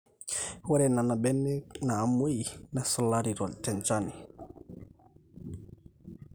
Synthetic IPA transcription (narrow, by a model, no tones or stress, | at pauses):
waɾɛnanabɛnːɛnaːmojnasɔlːaɾiɾɔtɛnt͡ʃani